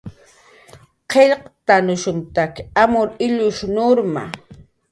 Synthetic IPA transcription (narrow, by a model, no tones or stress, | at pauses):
qeʎqt̪anʊʃʊnt̪akamʊɾɪʎʊʃnoɾma̰